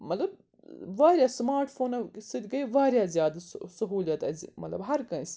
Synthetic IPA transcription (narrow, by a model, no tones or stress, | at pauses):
mɐt̪lɐb̚ | ʋaːɾʲjaːsmaːɾʈfʰoːnɐsɨd̪ʲɡɐiʋaːɾʲjaːzʲjaːd̪sɐɦuːlʲɐt̪ɐzʲmɐ̰t̪lɐbɦɐɾkɐ̃nsʲ